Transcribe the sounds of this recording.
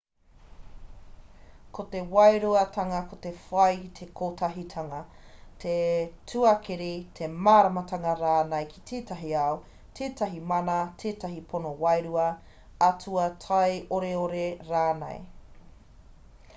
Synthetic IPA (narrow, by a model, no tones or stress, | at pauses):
kʰot̪ewɐjɾuɐtʰɐŋɐkotefɐjkit̪ʰekʰoːtʰɐɦitʰɐŋɐ | tʰetʰuɐkʰeɾitʰemaːɾɐmɐtɐŋɐɾaːnɐjkʰi̥t̪ʰeːtɐɦiɐo | tʰeːtɐɦimɐnɐtʰeːtɐɦipʰonowɐjɾuɐ | ɐtʰuɐtʰɐjoɾeoɾeɾaːnḛj